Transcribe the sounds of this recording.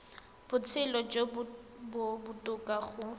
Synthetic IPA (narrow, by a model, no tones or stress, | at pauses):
b̥ʊt͡sʰɪlɔd͡ʒobʊbʊtʼʊkʼaχʊ